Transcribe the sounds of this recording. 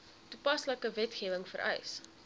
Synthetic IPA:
tupɐsləkəvɛtχiːvəŋfə̰ɾʔœ̰js

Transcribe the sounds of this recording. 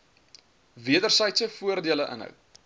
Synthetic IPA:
viədərsəjtsəfuərdiələʔə̰nɦœ̰w

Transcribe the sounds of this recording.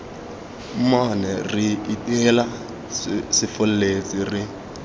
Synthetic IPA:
manɛriitʼɛla | sɪfɔlɛlet͡sʼiri

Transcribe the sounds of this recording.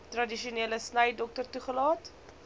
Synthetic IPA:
trɐdiʃiuniːləsnəjdɔk̚tərtuχəlɑːt

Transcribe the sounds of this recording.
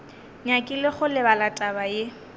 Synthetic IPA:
ɲakʼɪlɪχʊlɪbalatʼabaje

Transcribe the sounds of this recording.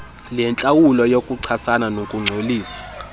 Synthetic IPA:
lɛnt͡ɬʼawulɔjokʼuǀʰasananokʼuŋ͡ǀʱoliːsḁ

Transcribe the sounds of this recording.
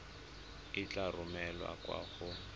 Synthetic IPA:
ɪt͡ɬarʊmɛlwa̰kwa̰ːχʊ

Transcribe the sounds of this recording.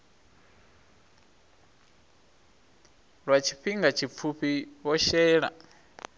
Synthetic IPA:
ɺwat͡ʃʰi̥ɸiŋɡat͡ʃʰip̪fʰuɸiβɔʃɛːɺa̰

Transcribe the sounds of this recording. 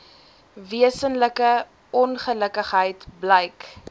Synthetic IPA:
viəsənləkə | ɔnχələkəχɦəjtbləjk

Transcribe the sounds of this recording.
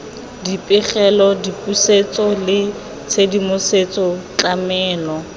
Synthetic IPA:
dipʼɪχɛlɔdipʼuset͡sʼɔlɪ | t͡sʰedimʊset͡sʼɔt͡ɬamɛːlɔ

